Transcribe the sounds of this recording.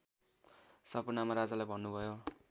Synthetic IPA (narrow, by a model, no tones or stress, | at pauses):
sʌpunamaɾad͡zalajbʱʌnːubʱʌjo